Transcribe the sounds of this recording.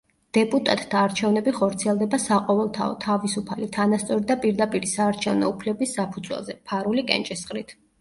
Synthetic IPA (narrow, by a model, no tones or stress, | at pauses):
d̪̥ɛpʼut̪ʼat̪ʼd̪aːɾt͡ʃʰɛvnɛbiχɔɾt̪sʰiɛlˠd̪ɛbasaqʼɔvɛlˠt̪ʰaɔ̰t̪ʰavisupʰalit̪ʰanast̪sʼɔɾid̪apʼiɾd̪apʼiɾisaːɾt͡ʃʰɛvnɔupʰlɛbisːapʰud̪zwɛ̰lˠzɛpʰaɾulikʼɛ̰nt͡ʃʼɛsχʼɾit̪ʰ